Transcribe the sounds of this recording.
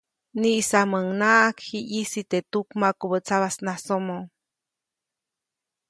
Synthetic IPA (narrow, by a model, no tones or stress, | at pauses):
niʔsaməŋnaʔakhiʔisit̪et̪ukmakobət͡saβasnasomo